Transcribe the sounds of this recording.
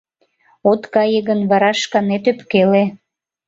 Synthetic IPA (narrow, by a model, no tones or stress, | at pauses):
ot̪kɑjəɣənβɑɾɑʃkɑnet̪øpkele